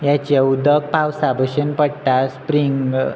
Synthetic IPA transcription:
jat͡ɕaud̪ək̚pawsabʱəɕənpəɽʈ̪aspɾiŋɡ

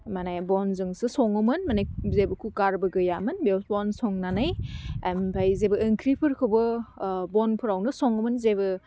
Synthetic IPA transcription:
manajbɔnzɯŋsɯsɔŋɯmɯnmanajzebɯkʰukaɾbɯɡɯjamɯnbewbɔnsɔŋnanajampʰajzebɯːŋkʰɾipʰɯɾkʰɯwbɯbɔnpʰɯɾawnɯsɔŋɯmɯnzebɯ

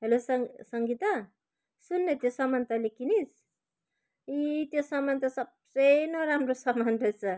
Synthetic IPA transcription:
elosasaŋɡit̪a | sunːet̪iosamant̪alekinis | it̪iosamant̪asap̚senoɾamrosamandasa

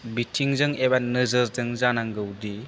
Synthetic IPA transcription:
bitʰiŋzɯŋebanɯzɯɾzɯŋzanaŋɡɯwdi

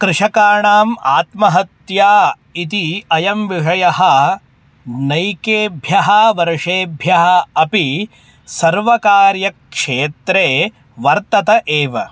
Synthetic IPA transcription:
kɾɪʂɐkaːɳaːmaːt̪mɐɦɐt̪jaː | it̪iɐjɐmʋiʂɐjɐɦɐ̆ | nɐjkeːbʱjɐɦɐʋɐɾʂeːbʱjɐɦɐɐpi | sɐɾʋɐkaːɾjɐkʂeːt̪ɾeː | ʋɐɾt̪ɐt̪ɐʔeːʋɐ

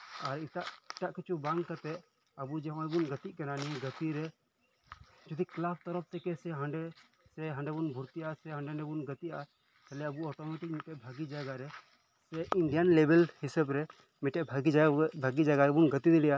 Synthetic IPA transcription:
aɾiʈaʔɪʈaʔkit͡ʃʰubãŋɡkɐt̪ɛ | ɐbud͡ʒɛ̃abunɡɐt̪iʔkɛnaːniɡɐt̪iɾɛ | d͡ʒud̪iklap̚ʰt̪ɔɾɔp̚ʰt̪ɛkɛsɛɦɐ̃ɳɖɛ | sɛɦɐ̃ɳɖɛbunbʱuɾt̪iasɛɦɐ̃ɳɖɛɳɖɛbunɡɐt̪iʔa̰ | t͡ʃɛlɛɐbuɔʈ̪ɔmeʈik̚miʈɛʔbʱɐɡid͡ʒaɡaɾɛ | sɛinɖijanlebɛlhisəbɾɛ | miʈɛʔbʱɐɡid͡ʒbʱaɡid͡ʒaɡaɐbunɡɐt̪id̪iɽija

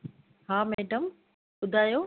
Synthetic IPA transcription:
haːmeːɖəm | ɓʊd̪ʱaːjoː

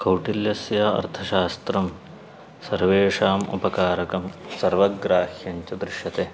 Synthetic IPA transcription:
kɐwʈiljɐsjɐɐ̰ɾt̪ʰɐʃaːst̪ɾɐm | sɐɾʋeːʂaːmṵpɐkaːɾɐkɐmsɐɾʋɐɡɾaːhjɐɲt͡ʃɐd̪ɾɪʃjɐt̪e

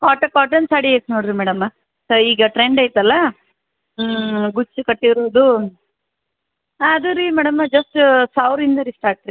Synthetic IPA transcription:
kaːʈɐkaːʈ̬ɐnsaːɽiɐjt̪noːɽiɾimɛːɽɐmɐ | soːiːɡɐʈɾeɳɖɐjt̪ɐlːɐ | ɡut͡ʃːukɐʈːiɾoːd̪u | ɐd̪uɾimɛːɽɐmɐd͡ʒɐsʈsaːwɾind̪ɐɾisʈaːɾʈɾi

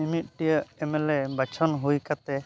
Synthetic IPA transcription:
imit̪̚ˀʈijəɛmɛlɛbat͡ʃʰɔnɦujkat̪ɛ

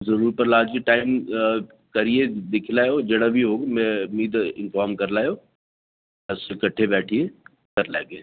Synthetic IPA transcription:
zɐɾuːɾpɐɾlaːd͡ʒkiʈaːɪm | kɐɾied̪ɪkʰɪlaːjod͡ʒeːɽabʱiɦoːɡmẽʊmiːd̪ɪ̰nfaːɾmkɐɾlaːjo | ɛ̃ʊsekɐʈʰebɛːʈʰie | kɐɾla̰ːɡeː

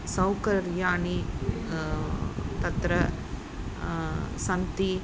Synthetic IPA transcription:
sɐwkɐɾjaːɳi | t̪ɐt̪ɾɐ | sɐnt̪i

